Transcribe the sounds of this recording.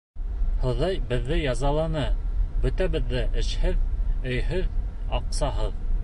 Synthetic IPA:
hŏðɑjbɘ̆ðːɘjɑzɑlˠɑnɤbɵ̆t̪æβɘ̆ðːɘʔɘ̆ʃhɘðɵ̆jhɵðɑqsɑɦɤð

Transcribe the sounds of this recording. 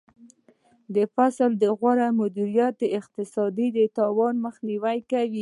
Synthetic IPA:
d̪əfasld̪əɣwaɾamʊd̪iɾijat̪̚d̪əɪq̚t̪ɪsɑd̪id̪ət̪ɑwɑnmaxniwajkawi

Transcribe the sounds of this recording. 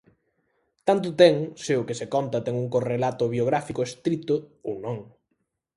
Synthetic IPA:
t̪ant̪̬ʊt̪ɛŋsɪʊkɪsekɔnt̪ɐt̪ɛŋuŋkorelat̪ʊβjoɣɾafikʊest̪ɾit̪ʊownõŋ

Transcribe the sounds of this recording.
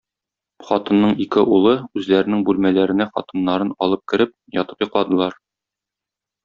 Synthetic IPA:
χɒt̪ɤ̆nːɤɴikɘʔulˠɤʉzlæɾɘ̆nɘŋbʉlmælæɾɘ̆næχɒ̰t̪ɤ̆nːɑɾɤnɒlˠɤp̚kɘ̆ɾɘp̚jɒt̪ɤ̥pjŏqlˠɑd̪ɤ̆lˠɑɾ

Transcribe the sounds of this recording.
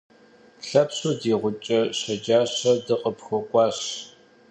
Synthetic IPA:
ɬɐpɕuːdiːʁʷʊt͡ʃʼɐɕɐd͡ʒaːɕɐdɨqəpxʷɔkʷʼɑːɕ

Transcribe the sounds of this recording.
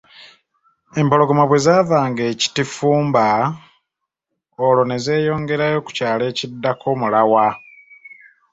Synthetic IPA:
e̞mpo̞lo̞ɡomaβwe̞zaːvaːŋɡeːci̥tifuːmba | olo̞ne̞ze̞ːjo̞ːŋɡe̞ɾajo̞ku̥caːle̞ːcidːakʰo̞mulawa

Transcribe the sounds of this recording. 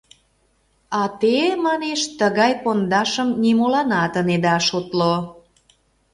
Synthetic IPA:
ɑt̪emɑneʃt̪əɣɑjpond̪ɑʃəmnimolɑnɑt̪əned̪ɑʃot̪lo

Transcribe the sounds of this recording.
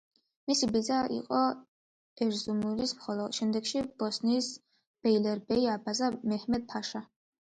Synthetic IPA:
misibid̪zaʔḭqʼɔ | ɛɾzumulismχɔlˠɔd̪ʃɛmd̪ɛɡ̥ʃib̥ɔsniːs | b̥ɛjlɛɾbɛiabazamɛhmɛd̪̚pʰaʃa

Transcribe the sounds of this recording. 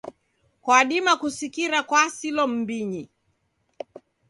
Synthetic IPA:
kwaɗimakusikiɾakwasilɔm̩biɲi

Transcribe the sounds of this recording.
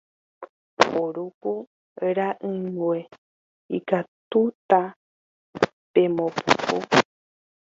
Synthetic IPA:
oɾupu | eɾaʔɨŋwe | ikat̪ut̪a | pemõpṵpu

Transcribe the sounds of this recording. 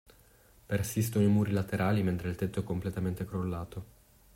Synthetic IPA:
persist̪onoimuːɾilat̪eɾʔaːliment̪ɾeilt̪et̪ːoɛkːomplet̪ament̪ekɾolːaːt̪o

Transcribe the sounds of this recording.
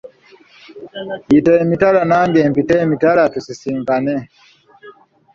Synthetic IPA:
itɛmitaɾanaŋɡɛmpitɛmitaɾatusisimɡanɛ

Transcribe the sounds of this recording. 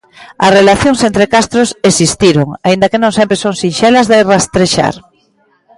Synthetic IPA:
ɐ̰srelaθjoŋsent̪ɾekast̪ɾosesist̪iɾoŋaind̪ɐkenõŋsempɾesoŋsinʃelɐzðerast̪ɾeʃa̰ɾ

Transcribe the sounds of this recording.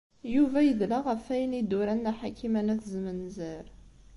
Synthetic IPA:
juvæjəðlæʁəfæjənid̪uɾænːæħakimænæθzmənzəɾ

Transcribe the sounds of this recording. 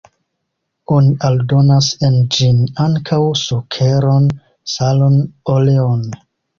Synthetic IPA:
o̞niʔaldo̞nasend͡ʒinaŋkʰawsokʰe̞ɾon | salonoleon

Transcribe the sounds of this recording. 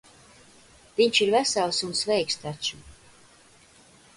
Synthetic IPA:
viɲt͡ʃiɾvæsalˠsunsvɛjkst̪at͡ʃu

